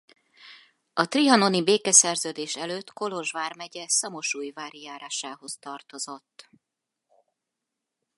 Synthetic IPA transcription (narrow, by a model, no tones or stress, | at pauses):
ɒt̪riɒno̞nibeːkɛsɛrzøːd̪eːʃɛløːt̪ːko̞lo̞ʒʋaːrmɛɟɛsɒmo̞ʃuːjvaːɾijaːɾaːʃaːho̞st̪ɒrt̪o̞zo̞t̪ː